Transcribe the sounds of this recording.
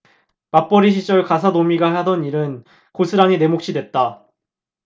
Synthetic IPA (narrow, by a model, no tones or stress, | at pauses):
map͈ʌɾiɕ̬ʰit͡ɕ͈ʌɭkas̬ʰanomiɡahadʌniɾɯn | kosʰɯɾaŋine̞mok̚ɕ͈ʰidwe̞t̚t͈a